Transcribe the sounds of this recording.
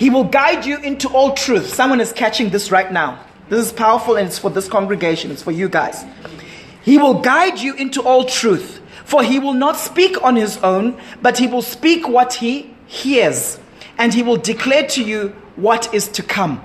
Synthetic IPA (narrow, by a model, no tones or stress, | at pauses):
hiwɪlˠɡaɪd͡ʒuʔɪ̃ntuʔɔlˠtʰɹ̥uθsʌ̃mwʌ̃nɨz̥kʰæt͡ʃɪ̃ŋðɪsɹaɪtⁿnaʊ | ðɪsɪz̥pʰaʊə˞fəlˠə̃nɪtsfɔðɪskʰɔ̃ŋɡɹɨɡeɪʃə̃nɨtsfɔjuɡaɪz̥ | hiwɪlˠɡaɪd͡ʒuʔɪ̃ntuʔɔlˠtʰɹ̥uθ | fəɦiwɪlˠnɔtspikə̃nhɪzõʊ̃nbʌt̚hiwɪlˠspikʰwɔthi | hiz | ʔɨ̃nhiwɪlˠdɪkʰl̥ɛtʰuju | wɔtɪz̥tʰukʰʌ̃m